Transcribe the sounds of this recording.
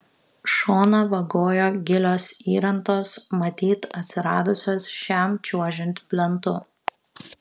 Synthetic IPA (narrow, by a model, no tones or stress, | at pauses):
ʃoːnɐʋɐɡoːjoːɡʲɪlʲoːsiːɾɐnˑt̪oːsmɐt̪ʲiːt̪ɐt̪ʲsʲɪɾɑːd̪ʊsʲoːsʃʲæˑmt͡ʃʲuɔʒʲɪnʲt̪ʲpʲlʲɛnt̪ʊ